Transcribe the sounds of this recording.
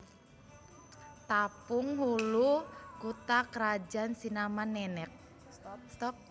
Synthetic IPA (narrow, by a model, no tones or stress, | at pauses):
t̪apuŋhulukut̪akəɾad͡ʒansinamanːɛnɛk̚ | st̪ɔp̚